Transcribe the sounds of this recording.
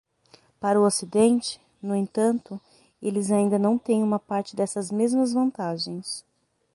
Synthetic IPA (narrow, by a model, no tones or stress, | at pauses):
paɾʊosid̪ẽnt͡ʃɪ̥ | nʊẽnt̪ɐ̃nt̪ʊ | elɪzaĩnd̪ɐnɐ̃w̃t̪ẽj̃ũmɐpaɾt͡ʃɪd̪ɛsɐzmezmɐzvɐ̃nt̪aʒẽj̃s